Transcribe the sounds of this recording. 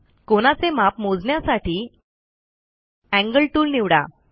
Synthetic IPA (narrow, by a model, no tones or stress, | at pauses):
koɽ̃at͡semapmod͡zɳjasaʈiː | æ̃ŋɡəɭʈuːlniʋɽa̰